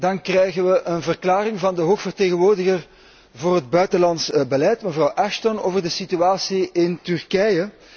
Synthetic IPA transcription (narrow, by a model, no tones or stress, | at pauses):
dɑnkrɛjɣənʋəʔənvərklaːrɪŋvɑndəɦoːxfərteːɣənʋoːrdəɣər | voːrɦəd̚bœɥtəlɑntsbəlɛtməvrɑwʔɛʃtonoːvərdəsityaːsiɪntʏrkɛjə